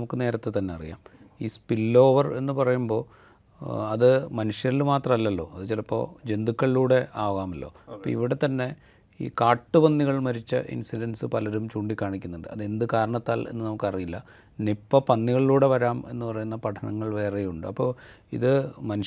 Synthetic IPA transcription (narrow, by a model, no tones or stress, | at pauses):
mukːɨne̞ːɾɐt̪ːet̪ːɐnːeɐrija̰ːm | iːspilːo̞ːʋɐre̞nːɨpɐrɐjumbo̞ː | ɐðɨmɐnuʂjɐilmaːt̪rɐmɐlːɐlːo̞̰ːɐðɨt͡ɕilɐpːo̞̰ːd͡ʑe̞nd̪ukʲːɐɭiluːɽe̞aːɣaːmɐlːo̞̰ːɐpːo̰ːḭʋiɽe̞t̪ɐnːe̞ | ḭːkaːʈːɨpɐnːiɣɐɭmɐɾit͡ɕːɐ̰ʔḭnsilɐnsɨpɐlɐɾumt͡ɕuːɳɖikʲːaːɳikʲːunːuɳɖɨɐðe̞nd̪ɨkaːɾɐɳɐt̪ːaːlʔe̞̰nːɨnɐmukːɨɐrijilːɐ̰ | nipːɐpɐnːiɣɐɭiluːɽe̞ʋɐɾaːme̞̰nːɨpɐrɐjunːɐpɐʈʰɐɳɐ̰ŋːɐɭʋe̞ːrejuɳɖɨɐpːo̞̰ːḭðɨmɐnu